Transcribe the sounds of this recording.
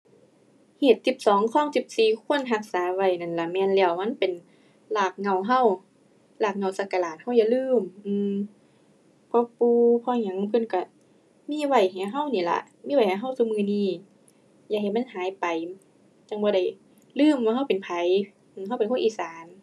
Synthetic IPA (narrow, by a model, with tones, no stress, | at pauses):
heː˨˩t̪̚si˧˦p̚sɔː˨˦ŋkʰɔː˧˥˨ŋsi˨˧˦p̚siː˨˩kʰu˧˥˨ə˨nɦa˧˥k̚saː˨˦wa˧˩jna˧˩nla˧˩mɛː˧˨nlɛː˧˩˨wma˧˥˨npe˨n | laː˧˩k̚ŋa˧˩˨wɦa˧˥˩w | laː˧˩k̚ŋa˧˩wsa˧ka˧laː˨˩t̪̚ha˧˥˩wja˧˨lɯː˧˥˩mʔɯː˧m | pʰɔː˧puː˧pʰɔː˧ɲa˧˦ŋ˧pʰɯ˧˥˨nka˧˩ | miː˧˥˨wa˧˩jha˨˧˩ɦa˧˥˨wniː˧˩la̰˧miː˧˥˨a˧˩jha˨˩ɦa˧˥˨wsuː˧˦mɯː˧˨niː˧˥˩ | jaː˧kɦa˨˩ma˧˥˨nɦaː˨˦jpa˨j | t͡ɕa˧˩ŋbɔː˧ɾa˧˩j | lɯː˧˥˩mwaː˧ɦa˧˥˩wpe˨npʰa˨˦j | ʔɯː˧˩ɦa˧˥˩wpe˨nkʰʔiː˧˨saː˨˦n